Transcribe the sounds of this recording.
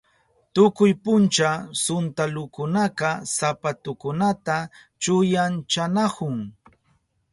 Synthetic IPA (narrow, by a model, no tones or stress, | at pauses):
t̪ʊkʊjpʊnt͡ʃasʊnt̪alʊkʊnaqɑsapat̪ʊkʊnat̪a | t͡ʃʊjant͡ʃanahʊŋ